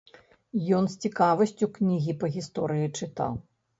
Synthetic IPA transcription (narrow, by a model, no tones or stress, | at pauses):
jɔnsʲt͡sʲikavɐsʲt͡sʲuknʲiɣʲipɐɣʲist̪ɔɾɨjit͡ʂɨt̪a̰w